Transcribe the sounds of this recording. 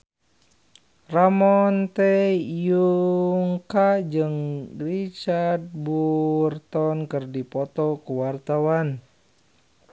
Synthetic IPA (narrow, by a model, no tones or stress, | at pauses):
ramɔnt̪ɛjuŋkad͡ʒɨŋrit͡ʃard̪̚burt̪ɔnkɨrdipɔt̪ɔkuwart̪awan